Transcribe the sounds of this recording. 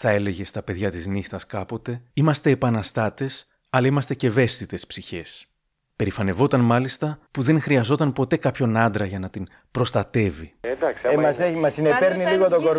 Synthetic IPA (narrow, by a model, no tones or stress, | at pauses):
θɐe̞le̞ʝe̞st̪ɐpe̞ðʝɐt̪iznixt̪ɐskɐpo̞t̪e̞imɐst̪e̞ːpɐnɐst̪ɐt̪e̞s | ɐlɐimɐst̪e̞ce̞ve̞st̪it̪e̞spsiçe̞s | pe̞ɾifɐne̞vo̞t̪ɐnmɐlist̪ɐpuðe̞ŋxɾiɐzo̞t̪ɐnpo̞t̪e̞kɐpço̞nɐnd̪ɾɐʝɐnɐt̪in | pɾo̞st̪ɐt̪e̞vismɐsemɐsinepeɾniliɣot̪oɡoɾ